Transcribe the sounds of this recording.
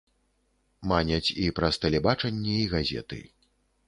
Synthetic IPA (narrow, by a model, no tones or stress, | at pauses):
manʲɐt͡sʲipɾɐst̪ɐlʲɛbat͡ʂɐnʲːɛiɣazʲɛ̰t̪ɨ̰